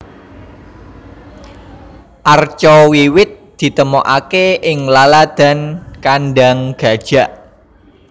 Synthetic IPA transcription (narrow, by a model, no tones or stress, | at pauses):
ʔart͡ʃɔwiwɪt̪̚d̪̥i̤t̪əmɔʔakeɪŋlalad̪̥a̤nkanɖaŋɡ̥a̤d̥ʒ̥ä̤ʔ